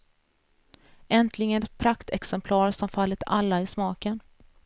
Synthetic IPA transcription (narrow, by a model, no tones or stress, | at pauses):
ɛnt̪ʰlɪɡənɛt̪̚pʰɾakt̪ʰɛksɛmpʰlɑːɾsɔmfalːɪt̪a̰lːaɪsmɑːkən